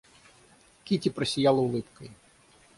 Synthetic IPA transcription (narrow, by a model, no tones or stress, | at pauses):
kʲitʲipɾɐsʲijɑlˠɐʊlˠɪpkɐj